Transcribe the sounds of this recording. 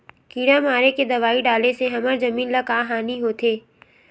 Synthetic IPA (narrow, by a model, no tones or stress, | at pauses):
kiːɽãmaːɾeked̪ɐʋaːiɖaːleseɦɐməɾzɐmiːnlɐkaːɦaːniɦoːt̪ʰeː